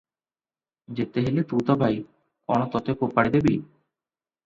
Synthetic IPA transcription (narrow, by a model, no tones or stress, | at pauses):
d͡ʑet̪eɦelet̪ut̪ɔbʱaj | kɔñot̪ɔt̪ekopaɽid̪ebi